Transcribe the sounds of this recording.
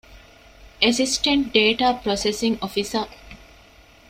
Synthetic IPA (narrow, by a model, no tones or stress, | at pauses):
esisʈeɳʈ̚ɖeːʈaːpɾosesiŋofisɐ